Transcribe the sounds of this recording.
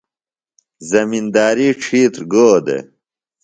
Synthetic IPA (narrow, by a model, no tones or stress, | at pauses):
zɐmind̪aːɾiːʈ͡ʂʰiːt̪ɾɡoːd̪ḛ